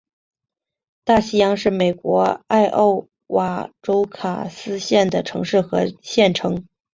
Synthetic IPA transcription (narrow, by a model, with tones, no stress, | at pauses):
t̪a˥˩ɕi˥jɑ˥ŋʂɻ̩˥˩me˨˩ɪkwɔ˧˥a˥˧ɪʔo̰˥˩ʊ | wa̰˨˩ʈ͡ʂo˥ʊkʰa˨˩sɹ̩˥ɕjɛ˥˩nd̪ə˩ʈ͡ʂʰɤ˧˥ŋʂɻ̩˥˩xɤ˧˥ɕjɛ˥˩nʈ͡ʂʰɤ˧˥ŋ